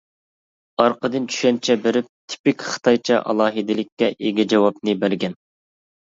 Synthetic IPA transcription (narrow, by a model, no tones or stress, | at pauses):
ɑɾqʰəd̪ɨnt͡ʃʰy̥ʃɛnt͡ʃʰɛbeɾɪp̚t̪ʰy̥pɪkʲχə̥t̪ʰɑjt͡ʃʰɑ̰ʔɑ̰lˠɑːɦɨd̪ɪlɪkʲːɛʔeɡʲɛd͡ʒɑwɑpnɨbæɾɡʲɛn